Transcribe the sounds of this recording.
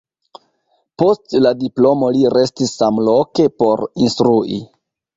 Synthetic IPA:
po̞stladiplo̞mo̞liɾe̞stisːamlo̞ke̞po̞ɾinstɾuʔḭ

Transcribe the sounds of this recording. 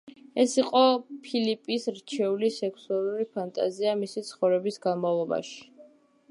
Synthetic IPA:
ɛsiqʼɔpʰilipʼisɾt͡ʃʰɛulisɛkʰsualˠuɾipʰant̪ʼa̰ziamisit̪sʰχɔvɾɛbisɡanmavlˠɔba̰ʃi̥

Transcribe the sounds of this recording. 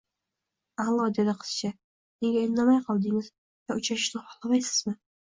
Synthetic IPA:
alˠːɒd̪ed̪ɨqʰɨ̥st͡ʃʰa | neŋɡʲaennːamajqʰɑlˠd̪ɪŋɪz | jaʊt͡ʃɾaʃɪ̥ʃnɪχɑ̥χlˠamajsɪ̥z̥mɪ

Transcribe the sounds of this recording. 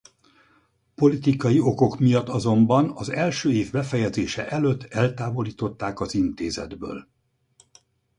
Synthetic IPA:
po̞lit̪ikɒjio̞ko̞kmijɒt̪ːɒzo̞mbɒnɒzɛlʃøːeːvbɛfɛjɛd̪zeːʃɛʔɛløt̪ːɛlt̪aːvo̞liːt̪o̞t̪ːaːkɒzint̪eːzɛ̰d̪bø̰ːl

